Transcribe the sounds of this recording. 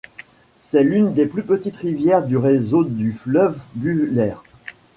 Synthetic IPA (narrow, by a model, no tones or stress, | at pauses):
sɛlynd̪eplypət̪it̪ʁivjɛʁd̪yʁezod̪yflœvbylɛːʁ